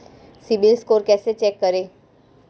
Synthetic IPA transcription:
sibilskoːɾkɛːset͡ʃɛːkːəɾeː

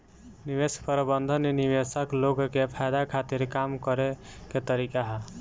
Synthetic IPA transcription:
nibespəɾbənd̪ʱənnibesəkloɡkepʰajd̪akʰat̪iɾkamkəɾeket̪əɾikaɦ

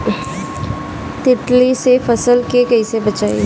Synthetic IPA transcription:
t̪ɪʈlisefɐsəlkekɐisebɐt͡ʃaːḛ

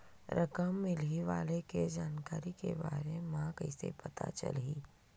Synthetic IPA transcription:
ɾʔɐkəmːɪliʋaːleked͡ʒaːnkaːɾikeba̰ːɾemãkɐɪsḛpɐt̪a̰t͡ʃə̰liː

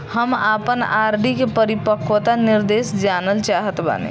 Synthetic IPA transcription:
həmapənaːɾɖikepəɾipəkʰwət̪anɪɾd̪eːsd͡ʒaːnəlt͡ʃaɦət̪ba̰nḛ

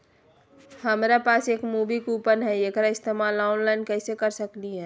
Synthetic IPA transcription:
həmɾapaseːkmubikupənɦɛekɾaɪst̪emalaʊnlaɪnkəɪsekəɾsəkliɦɛ̃

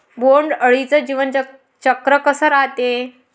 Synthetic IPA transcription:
boɳɖəɭit͡səd͡ʑiʋən | t͡ɕəkɾəkəsəɾat̪e

